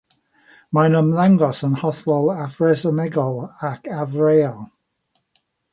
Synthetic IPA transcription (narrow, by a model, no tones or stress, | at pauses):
manəmðaŋɡɔsənhɔθlˠɔlˠavrɛzəmɛɡɔlˠakʰavreːɔlˠ